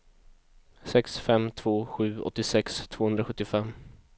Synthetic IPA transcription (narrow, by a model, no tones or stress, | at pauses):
sɛksfɛmt̪ʰv̥oːɧʉ̟ːɔ̰t̪ːɪsɛkst̪ʰvoːhɵnd̪ɾaɧɵt̪ːɪfɛm